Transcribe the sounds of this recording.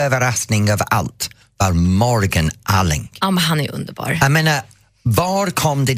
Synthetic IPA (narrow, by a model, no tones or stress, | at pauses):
əvəɾastnɪŋəva̰lˠtʰ | varmɔɹɡənʔalˠɪ̰ŋɡamaɦaniʔʊ̰ndəbɔ̰ɹəmɛnə | vɔːrkʰɔmdɪ